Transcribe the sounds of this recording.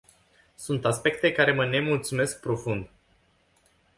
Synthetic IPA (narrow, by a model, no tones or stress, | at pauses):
sunt̪aspe̞k̚t̪e̞kaɾe̞məne̞mult̪sume̞sk̚pɾo̞fund̪